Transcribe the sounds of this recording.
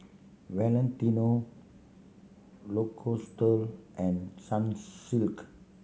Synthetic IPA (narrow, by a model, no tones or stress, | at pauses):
wɛlɛ̃ntino | lokʰostəlʔɛ̃nsãnsilk